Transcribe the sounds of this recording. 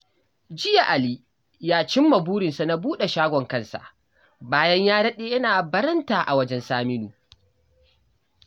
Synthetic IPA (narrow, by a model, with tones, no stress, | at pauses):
d͡ʒɪ˦ja˨ʔa˨li˦ | jaː˦t͡ʃɪ˦mːɐ˨buː˦ɽɪ˨nsa˨na˨˦buː˦ɗe˨ʃaː˦ɡʷɔ˨ŋkɐ˦nsa̰˨ʔ | baː˦jɐ˦ɲjaː˦ɽɐ˦ɗeː˦jɐ˦naː˨bɐ˦ɾɐ˦ntaː˨ʔa̰˨wɐ˦d͡ʒɛ˦nsaː˦mɪ˦nuː˨